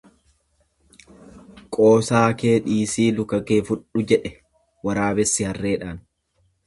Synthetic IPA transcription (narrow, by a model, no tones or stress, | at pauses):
kʼo̞ːsaːkeːᶑiːsiːlʊkɐkeːfʊᶑʊd͡ʒɛᶑɛ | wɐɾaːbɛsːɪhɐrːe̞ːᶑaːn